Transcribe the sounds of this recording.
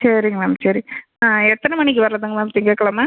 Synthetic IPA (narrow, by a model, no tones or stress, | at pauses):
sɐɾɪŋɡɐɭamsɐɾɪ | aːɛt̪ːɐnɐmɐɳɪk̬ʲːɯʋɐɾɾɐðɯŋɡɐmaːt̪ɪŋɡeːkːɐɭɐmaː